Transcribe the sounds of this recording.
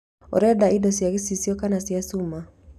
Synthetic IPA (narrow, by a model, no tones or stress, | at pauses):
o̰ɾɛdaidosjaɡisisiokanasjasuma